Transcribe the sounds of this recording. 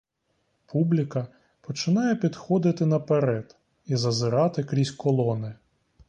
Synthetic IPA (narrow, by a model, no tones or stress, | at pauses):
pʰublʲɪkɐ | pɔt͡ʃɪnɑjɛpʲid̪xɔd̪ɪt̪ɪnɐpeɾɛd̪ | izɐzɪɾɑt̪ɪkɾʲisʲkɔlˠɔnɪ